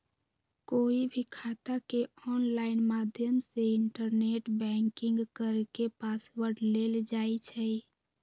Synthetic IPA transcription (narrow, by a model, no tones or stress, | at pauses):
koːibʱikʰat̪akeɔːnlaːɪnmaːd̪ʱjəmseɪɳʈəɾneːʈbɛ̃ŋkɪ̃ŋɡkəɾkepaːswəɾɖleːld͡ʒaːit͡ʃʰɛ